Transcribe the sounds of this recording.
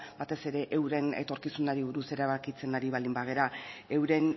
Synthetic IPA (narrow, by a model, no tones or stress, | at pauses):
bat̪e̞se̞ɾe̞ʔewɾe̞ne̞̰t̪o̞ɾkisunaɾiβ̞uɾuse̞ɾaβakit͡se̞naɾiβald̪imbaɣ̞e̞ɾae̞wɾe̞n